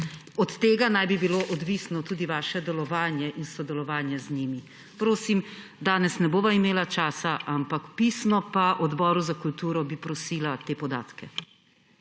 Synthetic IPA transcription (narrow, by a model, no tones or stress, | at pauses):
ɔt̪ːeːɡanajbibiloʔɔd̪ʋiːsnɔt̪uːd̪iʋaːʃɛd̪ɛlɔʋaːnjɛʔinsɔd̪ɛlɔʋaːnjɛzniːmi | pɾoːsim | d̪aːnɛsnɛboːʋaimeːlat͡ʃaːsaʔampakpiːsnɔpaʔɔd̪bɔːɾuzakult̪uːɾɔbipɾɔsiːlat̪eːpɔd̪a̰ːt̪kɛ